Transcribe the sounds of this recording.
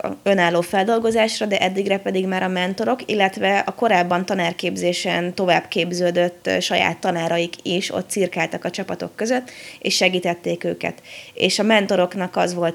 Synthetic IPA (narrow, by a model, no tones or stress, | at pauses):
ø̞naːlːoːfɛld̪o̞lɡo̞zaːʃrɒd̪ɛʔɛd̪ːiɡrɛpɛd̪iɡmaːɾɒmɛnt̪o̞ɾo̞kilːɛt̪ʋɛɒko̞ɾaːbːɒnt̪ɒnaːrkeːbzeːʃɛnt̪o̞va̰ːbkeːbzøːd̪øt̪ːʃɒja̰ːt̪ːɒnaːɾɒjikʰiʃo̰t̪ːsirkaːlt̪ɒkɒt͡ʃɒpɒt̪o̞̰kːø̞zø̞t̪ːḛːʃʃɛɡiːt̪ɛt̪ːeːkøːkɛ̰t̪ḛːʃɒmɛnt̪o̞ɾo̞knɒkɒzʋo̞lt̪